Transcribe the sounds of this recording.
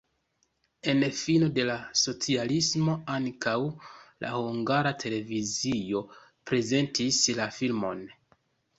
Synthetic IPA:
e̞nfino̞de̞laso̞t͡sialismo̞aŋkawlʔa̰huŋɡaɾatʰe̞le̞vizio̞ | pɾe̞ze̞ntislafilmo̞n

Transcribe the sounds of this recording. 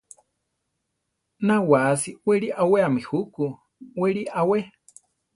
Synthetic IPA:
nawasiweɾiʔaweamihuku | weɾiʔawe

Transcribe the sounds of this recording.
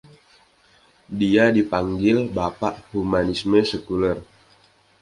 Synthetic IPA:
diadipaŋɡɪlbapaʔhumanisməsəkulər

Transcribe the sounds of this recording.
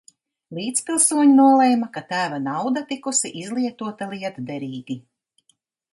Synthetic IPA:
lˠiːt̪spilˠsuɔɲunuɔlˠɛjmakat̪æːvanawd̪at̪ikusiʔizlˠiɛt̪uɔt̪alˠiɛt̪d̪ɛɾiːɡi

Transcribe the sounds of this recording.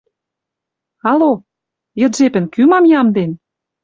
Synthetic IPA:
ɑlo | jɤ̆d̪ʒepɘ̆nkymɑmjɑmd̪en

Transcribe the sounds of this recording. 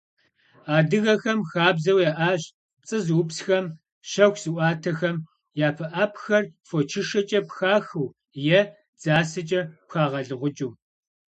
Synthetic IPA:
aːdɨɣɐxɐmxaːbzɐwjaʔaːɕ | t͡sʼɨzwʊpsxɐm | ʃɐxʷz̥ɨʔʷaːtʰɐxɐm | jaːpʰɐʔaːpʰxɐrfot͡ʃʰɪʂɐt͡ʃʼɐpxaːxɨw | jɛ | d͡z̥aːsɐt͡ʃʼɐpxaːʁɐɮɨʁʷʊt͡ʃʼuː

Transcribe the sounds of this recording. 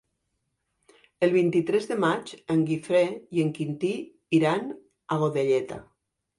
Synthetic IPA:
əlˠβint̪it̪ɾezðəmat͡ʃəŋɡifɾejeŋkint̪i | iɾan | aɣ̞oðeʎɛt̪a̰

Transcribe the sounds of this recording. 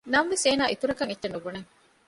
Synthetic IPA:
nɐmʋeseːnaːit̪uɾɐkɐŋetːʃenːubuneŋ

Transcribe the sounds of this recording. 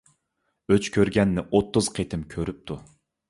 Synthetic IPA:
øt͡ʃkʲʰøɾɡʲɛnːɪʔot̪ːuz̥qʰet̪ʰɪmkʲʰøɾyp̚t̪ʰu

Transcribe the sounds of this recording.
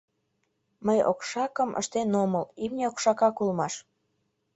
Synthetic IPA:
məjo̰kʃɑkəmʔə̰ʃt̪enoməlimnʲeokʃɑkɑkulmɑʃ

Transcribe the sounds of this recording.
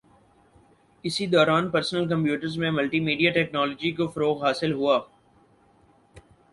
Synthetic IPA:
ɪsid̪ɔːɾaːnpɐɾsnəlk̬ɐ̃mpjuːʈəɾzmẽmɐlʈimiːɖijaʈɛːknɔːloːd͡ʒikofɐɾoːɣɦaːsɪlɦuaː

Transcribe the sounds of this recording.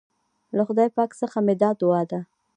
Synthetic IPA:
laxʊd̪ɑjpɑksəxamɪd̪ɑd̪ʊwɑd̪a

